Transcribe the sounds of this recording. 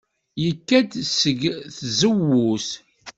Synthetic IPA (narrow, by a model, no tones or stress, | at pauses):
jəkːæd̪səɡθzəwːus